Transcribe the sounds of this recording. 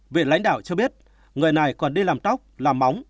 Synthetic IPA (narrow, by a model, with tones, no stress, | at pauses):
vḭ˧˨nla̰˨˦jŋ̟ɗa̰ː˧˨wt͡ɕɔ˧ɓi˦˥ət̚ | ŋɨ˨˩əjna˨˩jkɔ˨˩nɗi˧laː˨˩mt̪ɔ˦˥wk͡p̚laː˨˩mːa˨˦wŋ͡m